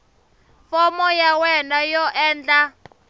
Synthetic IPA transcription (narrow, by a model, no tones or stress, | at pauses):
fɔmɔjawɛnajɔʔɛːnd͡ɮa